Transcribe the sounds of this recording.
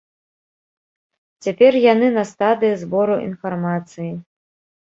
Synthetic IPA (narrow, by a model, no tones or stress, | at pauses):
t͡sʲapʲɛrjanɨnɐst̪ad̪ɨjizbɔɾuʔḭnfarmat̪sɨji